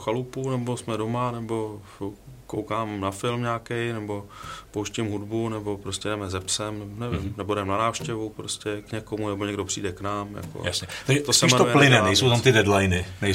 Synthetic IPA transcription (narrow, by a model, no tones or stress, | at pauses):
xalupunɛbo̞smɛdo̞manɛbo̞ | kowkaːmnafɪlmɲaːkɛjnɛbo̞powʃcɪmɦudbunɛbo̞pɾoscɛdɛmɛzɛpsɛmnɛnɛvɪ̰mnɛbodɛmnanaːfʃcɛvupɾoscɛkɲɛkomunɛbo̞ɲɛɡdopr̥ḭːdɛknaːmja̰ko̰ja̰sɲɛt̪aɡʒɛt̪osɛʃmɛnt̪oujɛlɪnɛnɛjsowt̪amt̪ɪdɛdlajnɪnɛj